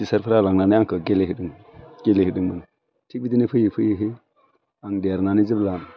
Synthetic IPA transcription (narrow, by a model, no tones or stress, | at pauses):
isaɾfəɾalaŋnaniaŋkəɡelehidiŋ | ɡ̥elehidiŋmən | tibidinifəjifujiɦi | aŋdaɾnanid͡ʒiblan